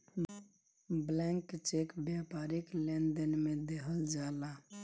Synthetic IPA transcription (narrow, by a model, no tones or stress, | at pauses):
blɛ̃ŋkt͡ʃekbjapaːɾiklend̪ənmẽd̪eɦəld͡ʒaːla